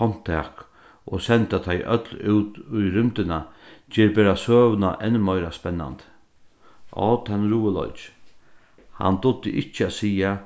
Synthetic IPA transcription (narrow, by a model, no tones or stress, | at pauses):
ɔn̥t̪ʰɛːk | ʔɔsɛnt̪at̪ʰajʔœt̪lʉːt̪ʊjɾʏmt̪ɪnat͡ʃɛːɾbeːɾasøːʋnaʔɛnːəmœjɾaspɛnːa̰nt̪ | ʔɔ̰ːt̪ʰanːɾuːəlɔ̰ʏt͡ʃ | ha̰nt̪ʊd̪əʔɪt͡ʃːəasiːa